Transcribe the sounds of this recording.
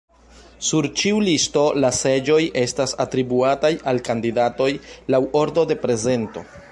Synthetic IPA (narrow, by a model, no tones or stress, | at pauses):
suɾt͡ʃiulisto̞lase̞d͡ʒo̞jʔe̞stasatɾibuatajʔalkandidato̞jlawʔo̞ɾdo̞de̞pɾe̞ze̞nto̞̰